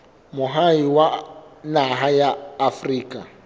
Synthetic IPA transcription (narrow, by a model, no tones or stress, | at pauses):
mʊɦaiwanaɦajaːfriːkʼa